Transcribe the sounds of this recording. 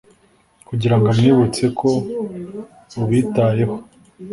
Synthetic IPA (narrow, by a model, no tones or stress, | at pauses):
kuɟiɾaŋɡamŋiːβut͡se̞kʰo̞ | uβiːtaːje̞ho̞